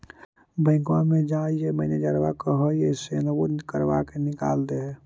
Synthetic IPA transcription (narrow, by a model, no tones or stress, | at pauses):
bəɪ̃kwamẽd͡ʒaijeməɪned͡ʒəɾʋakəɦəjesenwokəɾʋa̰kenɪka̰ːld̪eɦɛː